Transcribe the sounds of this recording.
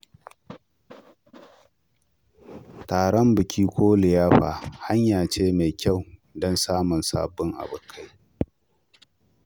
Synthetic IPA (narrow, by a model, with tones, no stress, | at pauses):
taː˨ɽɔ˦mbɨ˨kʲʰiː˦kʷoː˦lɪ˨jaː˦ɸa̰ː˨ha˦ɲjaː˨t͡ʃeː˦me˨kʲa˦˨wdɔ˦nsaː˦mʊ˨nsa̰ː˨bʊ˦ŋʔa̰˨bʊ˨kʰːa˦j